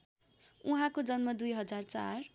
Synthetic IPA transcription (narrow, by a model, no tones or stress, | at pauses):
uɦãkod͡zʌnmʌd̪ujɦʌd͡zart͡sa̰r